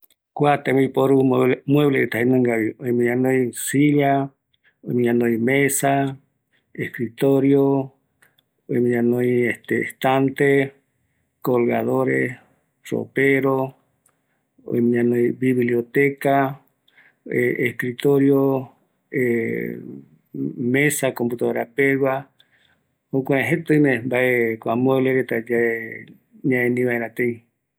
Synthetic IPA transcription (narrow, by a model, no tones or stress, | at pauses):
kwat̪emẽipoɾumweβleet̪aɦenẽŋɡaβiojmĩɲãnojsiʎa | ojmĩɲãnojmesa | ehkɾit̪oɾjo | o̰jmĩɲãnõjeht̪ḛːht̪ant̪e | kolɣaðoɾḛs | ro̰peɾo | o̰jmĩɲãnõj̃biβliot̪eka | eehkɾit̪oɾjo | e | mẽsakomput̪oβeɾapewa | hokʷaeɦet̪ojmẽmbaekʷamoeleɾet̪ad͡ʒae | ɲãẽnĩβaẽɾãt̪ej